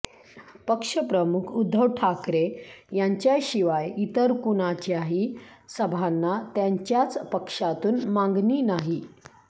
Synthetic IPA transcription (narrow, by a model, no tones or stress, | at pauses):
pəkʂəpɾəmukʰud̪ʱːəʋʈʰakɾejaɲt͡ɕjaɕiʋajit̪əɾkunat͡ɕaɦisəbʱanːat̪jaɲt͡ɕjat͡spəkʂat̪uːnmãŋɡniːnaɦi